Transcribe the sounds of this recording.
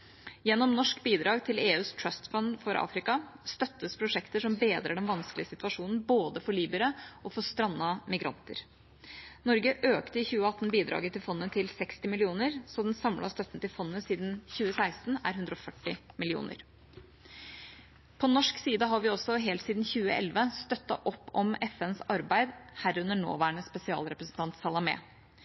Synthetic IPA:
jɛnːɔmnɔʂkbiːd̪ɾɑːɡt̪ʰɪleːʉːst̪ʰɹœst̪fɑnfɔɾʔɑ̰ːfɾɪkɑst̪œt̪ːəspʰɾʊʂɛkt̪əʂɔmbeːd̪ɾəɖɛnʋɑnsklɪəsɪt̪ʉɑʂuːnən̩boːd̪əfɔɭiːbəɾəʔɔfɔst̪ɾɑnːɑmɪɡɾɑ̰nt̪ə̰ɾ | nɔɾɡəʔøːkt̪əɪçʉːəɑt̪ːn̩biːd̪ɾɑ̰ːɡət̪ːɪlfɔnːət̪ʰɪlsɛkst̪ɪmɪlɪuːnəɾsɔd̪ɛnsɑmlʔɑ̰st̪œt̪nt̪ɪlfɔnːəsiːd̪nçʉːəsæɪst̪n̩æ̰ɾɦʉnd̪ɾɔfœʈːɪmɪlɪṵːnʔə̰ɾ | pʰɔnɔʂksiːd̪əɦɑɾʋɪɔsɔɦeːlt̪siːd̪n̩çʉːəʔɛ̰lʋəst̪œt̪ːɑ̰ʔɔpːɔmɛfɛnsɑɾbæɪd̪hæɾʉnəɳo̰ːʋæːɳəspɛsɪɑ̰ːlɾɛpɾəsn̩t̪ʰɑnt̪sɑlɑmɛ̰ː

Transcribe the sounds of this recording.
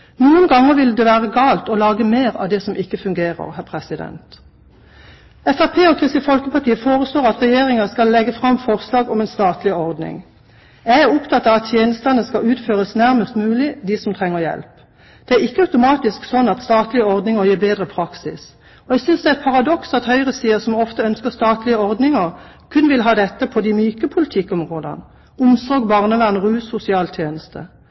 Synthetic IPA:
nuːənɡɑŋːəʁʋɪld̪ɛʋæːʁəɡɑːlt̪ɔlɑːɡəmeːʁɑ̰ʋd̪ɛsɔmɪkːəfʉŋɡeːʁə̰ʁhæʁpʰʁɛsɪd̪ɛ̰nt̪ | ɛfɑpʰeːɔkʰʁɪst̪ɪfɔlkəpɑʁʈiːəfoːʁəsloːʁɑt̪ʁɛjeːʁɪŋɑskɑlːɛɡːəfʁɑmfɔʁslɑːɡɔmɛɪnst̪ɑːt̪lɪɔʁd̪nɪ̰ŋ | jæɪæʁʊpt̪ʰɑt̪ɑʋɑt̪t̪ʰjeːnəst̪ənəskɑʉːt̪føːʁəsnæʁməst̪mʉːlɪd̪ɪsɔmt̪ʰʁɛŋːəʁjɛ̰lp | d̪̥ɛæʁɪkːəɑʉt̪ʊmɑːt̪ɪsksɔnːɑt̪st̪ɑːt̪lɪəɔʁd̪nɪŋəʁjiːbeːd̪ʁəpʰʁɑksɪs | ɔɛɡsʏnsd̪ɛæɛt̪̚pʰɑʁɑd̪ɔksɑt̪hœʏʁəsiːəsɔmɔft̪əœnskəst̪ɑːt̪lɪəɔʁd̪nɪŋəʁ | kʰʉnʋɪlɦɑːd̪ɛt̪ːəpʰɔd̪ɪmyːkəpʰʊlɪt̪ʰɪkːɔmʁoːd̪ə̰n | ʊmsɔɡbɑʁnəʋæʁnəʁʉːsʊsɪɑːlt̪ʰjeːnəst̪ə̰

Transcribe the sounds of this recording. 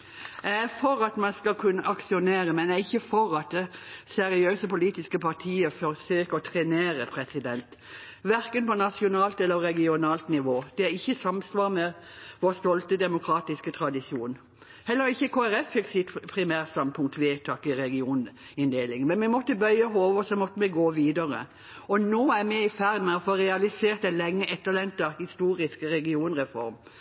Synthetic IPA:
ææfɔɾɑt̪mɑnskɑlkʰʉnːəʔɑksɪʊneːɾəmɛnæɾɪçːəfɔɾɑt̪̚d̪ɛsɛɾɪøːsəpʊliːt̪ɪskəpʰɑʁt̪ʰiːəfɔɾsøːkəɔt̪ʰɾɛneːɾəpʰɾɛsɪd̪ɛnt̪ʋæɾkənpɔnɑsɪʊnɑːlt̪ɛlːəɾɛɡɪʊnɑːlt̪nɪʋoːd̪̥ɛæɾɪçːəsɑmsʋɑːɾmɛ | ʋoːst̪ɔlt̪əd̪ɛmʊkʰɾɑːt̪ɪskət̪ʰɾɑd̪ɪsuːn | hɛlːəɾɪçːəkʰoːæɾɛfɪk̚sɪt̪pʰɾɪmæːɾst̪ɑmpʰʊŋt̪ʋeːt̪ʰɑːkɪɾɛɡɪuːn | ɪnd̪eːlɪŋmɛnmɛmɔt̪ːəbœʏəɦoːʋəsɔmɔt̪ːəmɛɡoːʋiːd̪ɑɾə̰ | ɔnoːæɾmɛɪfæɾd̪mɛɔfoːɾɛɑlɪseːɾt̪ɛlɛŋːəʔɛt̪ːəʁlɛnt̪ɑhɪst̪uːɾɪskəɾɛɡɪuːnʁɛfɔ̰ɾm

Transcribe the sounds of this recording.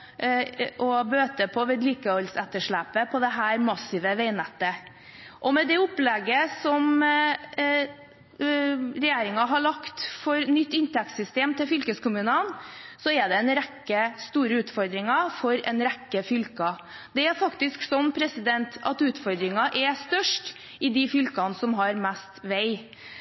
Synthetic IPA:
ʔɔbøːt̪əpʰɔʋeːd̪liːkəɔlsɛt̪ːəʂɭæːpəpʰɔd̪ɛɦæːɾmɑsɪʋəʋeɪnɛt̪ːə | ʔɔmɛd̪ɛʊpːlɛɡːəsɔm | ɾɛjeːɾɪŋɑɦɑɭɑkt̪fɔɾnʏt̪ːɪnt̪ʰɛk̚t̪sʏst̪eːmt̪ʰɪlfʏlkəskʊmʉːnənsɔɛd̪ɛɛnɾɛkːəst̪uːɾəʉːt̪fɔɾd̪ɾɪŋɑfɔɾɛ̰nɾɛkːəfʏlkɑ | d̪̥ɛæɾfɑkt̪ɪsksɔnːpʰɾɛsɪd̪ɛnt̪ɑt̪ʉːt̪fɔɾd̪ɾɪŋɑʔɛst̪œʂʈ | ɪd̪ɪfʏlkɑnsɔmɦɑɾmæst̪ʋæɪ

